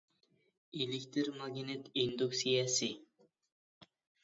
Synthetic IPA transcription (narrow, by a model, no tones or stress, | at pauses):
ilɪkʲt̪ʰɪɾmɑɡʲinet̪ind̪uksijɑsi